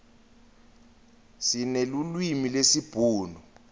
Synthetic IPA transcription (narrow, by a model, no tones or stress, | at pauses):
sinelulwimilesib̥ʱuːnɔ